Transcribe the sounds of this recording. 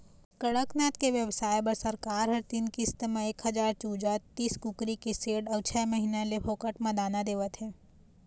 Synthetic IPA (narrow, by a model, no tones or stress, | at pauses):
kɐɽəknaːt̪keʋjəʋsaːjbɐɾsɐɾkaːɾɦɐɾt̪iːnkist̪mẽeːkɦɐd͡ʒaːɾt͡ʃuːd͡ʒat̪ːiːskʊkɾikiseːɖɔɡt͡ʃʰɛːmɐɦinãlepʰoːkəʈmɐ̃d̪aːnad̪eːʋət̪ɦɛː